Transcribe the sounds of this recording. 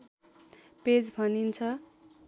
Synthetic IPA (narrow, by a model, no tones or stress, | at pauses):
ped͡zbʱʌnint͡sʰʌ